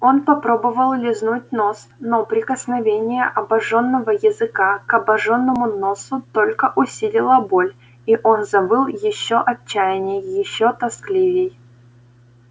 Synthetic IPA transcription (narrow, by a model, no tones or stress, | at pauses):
o̞npɐpɾobəvəlˠlʲɪznut̚ʲnosnopɾʲɪkəsnɐvʲenʲɪjəʔɐbɐʐo̞nːəvəjɪzɨkakɐbɐʐonːəmʊno̞sʊt̪o̞lʲkəʔʊsʲilʲɪlˠəbolʲ | iʔonzɐbɨlˠjɪɕːoʔɐt͡ɕːæjɪnʲɪjːɪɕːot̪ɐsklʲivʲɪj